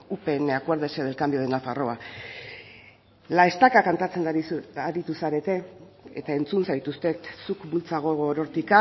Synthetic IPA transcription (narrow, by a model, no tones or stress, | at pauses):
upe̞neakweɾðeseð̞e̞lkambijo̞ð̞e̞nafaro̞a | lae̞st̪akakant̪at͡se̞nd̪iaɾit̪usaɾe̞t̪e̞ | et̪ae̞nt͡sunsajt̪ust̪e̞t̪sukbult͡saɣ̞oɣoɾo̞ɾt̪ika